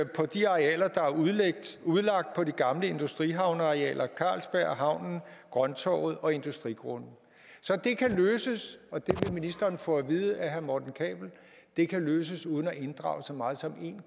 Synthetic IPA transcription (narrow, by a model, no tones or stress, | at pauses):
pʰɒ̽d̥iɑ̈ʁiɛ̰ːlɐd̥ɑ̈æɐuð̞̩ˠleɡ̥̚d̥uð̞ˠlɑ̈ɡ̥̚d̥̚pʰɒ̽diɡ̥ɑ̈mləe̝nd̥usd̥ʁiɦɑ̈ʊnɑ̈ʁiɛ̰ːlʔɐkʰɑ̰̈ːlsb̥æɐ̰ɦɑ̈ʊ̰nn̩ɡ̥ʁɶnt͡sʰɒ̰ːʊð̩ˠɒ̽e̝nd̥usd̥ʁiɡ̥ʁonn̩ | sɒ̽d̥e̝kʰæløːsəsɒ̽d̥e̝ʋe̝minisd̥ɐːnfɔæʋiːð̞̩ˠəæɦæɐmɒːd̥n̩kʰɛ̰ːb̥l̩ | d̥e̝kʰæløːs̬əsuːðˠn̩æʔe̝nd̥ʁɑ̰̈ʊsɒ̽mɑ̈ːð̞̩ˠsɒ̽me̝̰n